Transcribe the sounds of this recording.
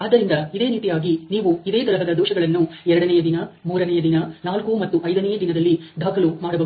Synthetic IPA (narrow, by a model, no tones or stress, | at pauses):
aːd̪ːɐɾind̪ɐid̪e̞ːniːt̪ijaːɡiniːʋuid̪e̞ːt̪ɐlɐɦɐd̪ɐd̪ɔːʃɐɡɐɭɐnːuɛɾɐɽɐnɛjɐd̪inɐmuːɾɐnɛjɐd̪inɐnaːlkumɐt̪ːuʔɐjd̪ɐnɛjɐd̪inɐd̪ɐlːid̪ʱaːkɐlumaːɽɐbɐ